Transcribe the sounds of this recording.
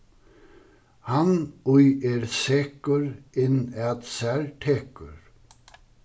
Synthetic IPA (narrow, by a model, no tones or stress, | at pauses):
hanujɛɾsɛːkʊɾɪnːɛt̪sɛɾt̪ʰɛːkʏ̰ɾ